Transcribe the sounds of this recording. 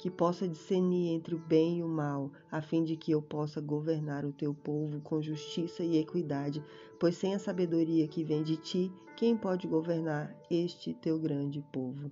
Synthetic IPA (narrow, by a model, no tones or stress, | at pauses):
kɪpɔsɐd͡ʒiseɾniẽnt̪ɾɪʊbẽj̃iʊmaw | afĩd͡ʒɪkɪewpɔsɐɡoveɾnaɾʊt̪ewpovʊkʰõʒuʃt͡ʃisɐiekwid̪ad͡ʒɪ | pojssẽj̃ɐsabed̪oɾiɐkɪvẽj̃d͡ʒɪt͡ʃi | kẽj̃pɔd͡ʒɪɡoveɾnaɾeʃt͡ʃɪt̪ewɡɾɐ̃d͡ʒɪpovʊ